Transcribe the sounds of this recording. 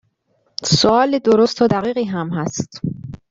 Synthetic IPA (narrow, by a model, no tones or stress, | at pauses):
soɒːled̪oɾost̪ʰoːd̪æɣiːɣiːɦæmɦæst̪